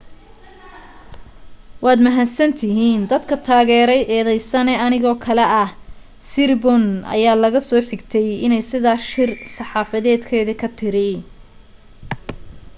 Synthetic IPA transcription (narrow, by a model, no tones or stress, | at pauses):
wɑːd̪mɐɦasɐnt̪ʰɪɦiːnd̪ɐd̪kʰɐt̪ʰaːɣɛːɾɛjʔɛːðɛjsɐnɛɐnɪɣɔːkʰɐlɛɐh | sɪrbɔnɐ̰jaːlɐɣɐsɔːħɪɡt̪ʰɛjɪnɛjsɪðaːʃɪrsɑħɑːfɐðɛːd̪kʰɛːðɐkʰɐt̪ʰɪɾɪ